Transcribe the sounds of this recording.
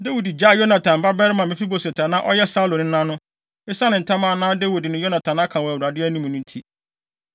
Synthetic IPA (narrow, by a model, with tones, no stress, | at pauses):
de˦wu˨di˨d͡ʑa˦˨jo˦nã˨tʰã˨m̩˨ba˦bɛ˦ɾɪ˦mã˨mɪ̃˦fi˦bo˨sɛ˨tʰa˨nã˦ʔɔ˦jɛ˦sa˦lõ˨nɪ̃˦nã˦nʊ̃˦ | e˦sa˦nɪ̃˨n̩˨tʰã˦mã˦˨˦nãː˦de˦wu˨dɪ˨nʊ̃˨jo˦nã˨tʰã˨na˦kʰã˨wæ˨wu˨ɾa˨dɪ˦æ˦nĩ˦m̃˨nʊ̃˦n̩˦tʰi˦